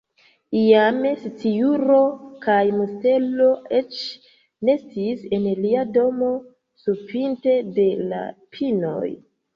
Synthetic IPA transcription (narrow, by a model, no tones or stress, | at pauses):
ijamesit͡sijuɾo̞kajmuste̞lo̞e̞t͡ʃ | ne̞stise̞nliado̞mo̞ | supinte̞de̞la̰pʰino̞̰j